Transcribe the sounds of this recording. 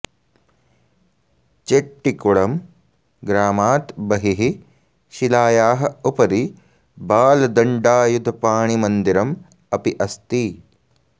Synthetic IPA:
t͡ʃeʈːikuɭɐm | ɡɾaːmaːt̪bɐɦiɦi | ʃilaːjaːɦɐ̆upɐd̪i | baːlɐd̪ɐɳɖaːjud̪ʱɐpaːɳimɐnd̪iɾɐm | ɐpiʔɐst̪i

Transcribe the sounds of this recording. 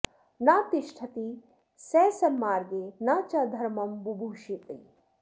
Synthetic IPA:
naːt̪iʃʈʰɐt̪i | seːsɐmːaːɾɡenɐt͡ʃɐd̪ʱɐɾmɐmbubʱuːʃit̪ḭ

